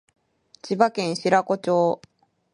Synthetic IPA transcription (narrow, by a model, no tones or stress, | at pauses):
t͡ɕibakẽ̞ɰ̃ɕiɾako̞t͡ɕo̞ː